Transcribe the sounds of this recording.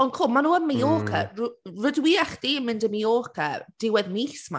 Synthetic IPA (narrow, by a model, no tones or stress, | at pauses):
ɔnkʰʊmanuːəmijoːkʰə̰rrʊdwiaχd̥iəmɪndəmijoːkʰəd̥ɪwɛðmiːsma̰